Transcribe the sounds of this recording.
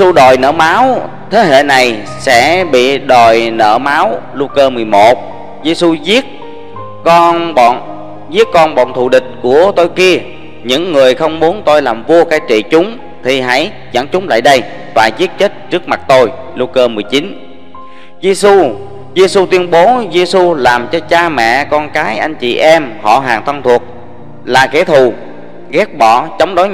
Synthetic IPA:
su˧ɗo˨˩jnə̰ː˧˩maː˨˦w | t̪ʰe˨˦ɦḛ˧˨na˨˩j | sɛ̰˧˥ɓḭ˧˨ɗo˨˩jnə̰ː˧˩maː˨˦wlu˧kəː˧mɨ˨˩əjmo˨˩t̚ | ze˧su˧zi˦˥ət̚ | kɔ˧nɓɔ̰˧˨n | zi˦˥ək̚kɔ˧nɓɔ̰˧˨nt̪ʰṵ˧˨ɗï˨˩k̟̚ku˧˩ət̪o˧jki˧ə | ɲɨ̰˧˥ŋːɨ˨˩əjxə˧wŋ͡mmu˨˦ənt̪o˧jlaː˨˩mvo˧əkaː˨˦jt͡ɕḭ˧˨t͡ɕʊ˨˦ŋ͡m | t̪ʰi˨˩ɦa̰˧˥j | zə̰˧˥nt͡ɕʊ˨˦ŋ͡mla̰ː˧˨jɗə˧j | t̪wa̰ː˧˨jzi˦˥ət̚t͡ɕe˦˥t̚t͡ɕɨ˦˥ək̚ma˨˩t̚t̪o˧j | lu˧kəː˧mɨ˨˩əjt͡ɕi˨˦n | zi˧su˧ | ze˧su˧t̪wi˧ənɓo˨˦ze˧su˧laː˨˩mt͡ɕɔ˧t͡ɕaː˧mɛ̰˧˨kɔ˧nkaː˨˦jʔa˧jŋ̟t͡ɕḭ˧˨ʔɛ˧mhɔ̰˧˨ɦaː˨˩ŋt̪ʰə˧nt̪ʰu˨˩ət̚ | laː˨˩ke˧˦t̪ʰu˧˨˩ | ɣɛ˦˥k̚ɓɔ˧˩˨t͡ɕə˨˦wŋ͡mɗo˨˦j

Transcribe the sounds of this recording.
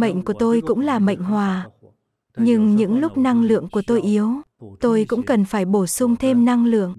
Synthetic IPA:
mə̰˧˨jŋ̟ku˧˩ət̪o˧jkʊ̰˧˥ŋ͡mlaː˨˩mə̰˧˨jŋ̟ɦwaː˨˩ | ɲɨ˧ŋɲɨ̰˧˥ŋlʊ˦˥k͡p̚na˧ŋlɨ̰˧˨əŋku˧˩ət̪o˧jʔi˨˦əwt̪o˧jkʊ̰˧˥ŋ͡mkə˨˩nfaː˧˩jɓo˧˩sʊ˧ŋ͡mt̪ʰe˧mna˧ŋlɨ̰˧˨əŋ

